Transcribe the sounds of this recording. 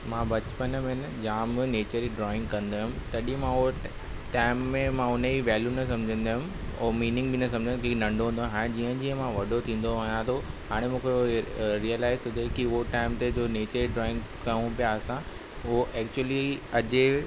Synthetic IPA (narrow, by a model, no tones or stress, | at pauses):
mãbɐt͡ɕpənmẽn | d͡ʑãːm̃neːt͡ɕəɾiɖɾɔːɪ̃ŋɡkɐə̃nd̪aːɦɪmt̪ɐɗĩmãʊo | ʈaːɪmːẽmãʊnəiʋɛːljunɐs̬ɐ̃md͡ʑʱə̃nd̪aɦʊm | ɔ̰ːmiːnɪ̃ŋɡbɪnɐsɐ̃md͡ʑʱə̃kinɐ̃ɳɖoɦũːnd̪oɦaːɽ̃ẽd͡ʑiːə̃d͡ʑiːə̃mãʋɐɖʱot̪ʰĩːn̆d̪oaɦjãt̪ʰoɦaːɽ̃emũːkʰeɾiəlaːɪzʊd̪ʱekiʊɦoʈaːɪmt̪ed͡ʑoːneːt͡ɕəɾiɖɾɔːɪ̃ŋɡ | kɐjũpijaɐsã | ʊɦoʔɛːk̚t͡ɕuəliɐd͡ʑe